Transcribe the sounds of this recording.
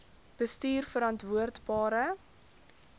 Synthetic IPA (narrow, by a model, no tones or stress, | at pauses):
b̥əstyːrfəɾɑntvuərdbɑːɾə